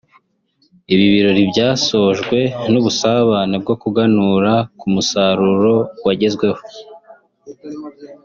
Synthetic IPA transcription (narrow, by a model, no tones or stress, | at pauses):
iβiβiɾo̞ɾibɟaːso̞ʒɡwe̞nuβusaβaneb̚ɡo̞kuɡanuɾakumusaɾuɾo̞waɟe̞zɡwe̞ho̥